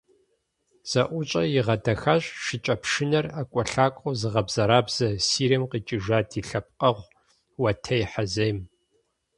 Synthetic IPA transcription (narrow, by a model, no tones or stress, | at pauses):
z̥ɐʔʷʊt͡ʃʼɐjɪʁɐdɐxaɕʷʼʃɪt͡ʃʼɐpʰʂɪnɐrakʷʼɔɬaːkʷʼozɨʁɐbz̥ɐɾaːbz̥ɐsiːɾɐmqit͡ʃʼɪʒaːdʰiːɬɐp̚qʼɐʁʷ | wɐtʰɐjħɐzɐjm